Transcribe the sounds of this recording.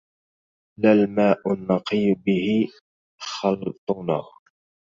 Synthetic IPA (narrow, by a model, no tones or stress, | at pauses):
lalmaːʔʊnːɑqiːbɪhɪ | xɑlt̪ˤʊnaː